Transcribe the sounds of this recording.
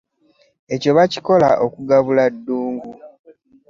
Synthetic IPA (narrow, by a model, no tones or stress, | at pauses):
e̞co̞βaci̥ko̞la̰ʔokuɡaβuladːuːŋɡu